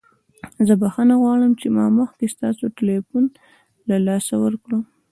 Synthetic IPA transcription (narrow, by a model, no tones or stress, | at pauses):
zəbaxanaɣwɑɽəmt͡ʃemɑ̰məxkest̪ɑsoʈɪlefun | lalɑsawəɾkɽu